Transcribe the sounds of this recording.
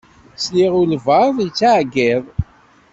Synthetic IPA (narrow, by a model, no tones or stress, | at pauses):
sliʁʊlvəˤðˤjt͡sːaʕɡiðˤ